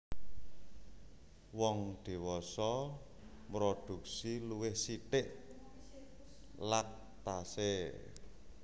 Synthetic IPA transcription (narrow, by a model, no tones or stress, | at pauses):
wɔŋd̪̥i̤wɔsɔ | mɾod̪̥ṳk̚siluwɪhsit̪ɪʔ | lat̪ː | ase